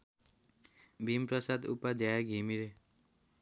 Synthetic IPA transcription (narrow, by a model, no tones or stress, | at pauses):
bʱimprʌsad̪ṵpad̪ʱjajaɡʱimiɾe